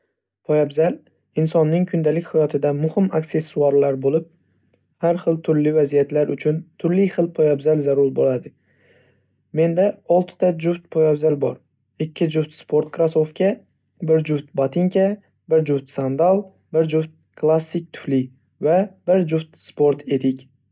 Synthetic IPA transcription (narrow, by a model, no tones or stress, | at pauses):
pʰojabzal | ɪnsɒnːɪŋkʰʊnd̪alɪkʲhajɒt̪ʰɪd̪amʊhɪmakse̞sːuaɾlaɾbolɪp̚ | haɾχɨlˠt̪ʰʊɾlɪvazijat̪laɾʔʊt͡ʃʰʊnt̪ʰʊɾlɪjχɨlˠpʰojabzalzaɾʊɾbolad̪ɪ | me̞nd̪aɒlˠt̪ʰɪ̥t̪ʰad͡ʒʊft̪̚pʰojabzalbɒ̰ɾ | ɪkʲʰːɪd͡ʒʊft̪spʰo̞ɾt̪̚kʰɾasofkʲa | bɪɾd͡ʒʊft̪̚bat̪ʰɪŋkʲa | bɪɾd͡ʒʊft̪sand̪alˠ | bɪɾd͡ʒʊft̪̚kʰlˠasːɪk̚ʲt̪ʰʊ̥flɪ | vab̥ɪɾd͡ʒʊft̪spo̞ɾt̪ʰe̞d̪ɪkʲ